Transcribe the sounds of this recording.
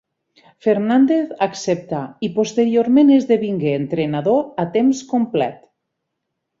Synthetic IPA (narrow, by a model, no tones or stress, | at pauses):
feɾnand̪eθaksep̚t̪aipost̪eɾioɾmenezðeβiŋɡeːnt̪ɾenaðoat̪emskomplɛ̰t̪